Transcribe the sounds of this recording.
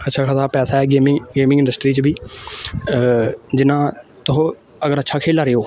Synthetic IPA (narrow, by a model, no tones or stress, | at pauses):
ətːʃʰaːkʰaːsaːpɛːsaːɛːɡeːmɪɡeːmɪ̃ŋɪ̃ɳɖəsʈɾiːt͡ʃbiː | d͡ʒɪnãːt̪ʊɦõ | əɡəɾətːʃʰaːkʰeːlaːɾeːoː